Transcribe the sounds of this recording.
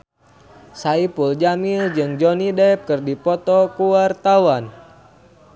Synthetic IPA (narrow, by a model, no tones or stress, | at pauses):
saipuld͡ʒamild͡ʒɨŋd͡ʒɔnidɛp̚kɨrdipɔt̪ɔkuwart̪awan